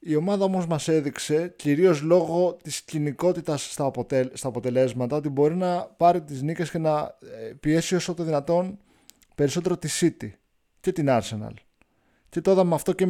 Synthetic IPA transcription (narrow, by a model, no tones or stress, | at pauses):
io̞mɐðɐo̞mo̞zmɐse̞ðikse̞ciɾio̞zlo̞ɣo̞t̪isciniko̞t̪it̪ɐsːt̪ɐpot̪est̪ɐːpo̞t̪e̞le̞zmɐt̪ɐo̞t̪ibo̞ɾinɐpɐɾit̪iznice̞sce̞nɐpie̞sio̞sot̪oðinɐt̪o̞n | pe̞ɾiso̞t̪e̞ɾo̞t̪isit̪i | ce̞t̪inɐɾse̞nɐ̰l | ce̞t̪oðɐmeɐft̪o̞ce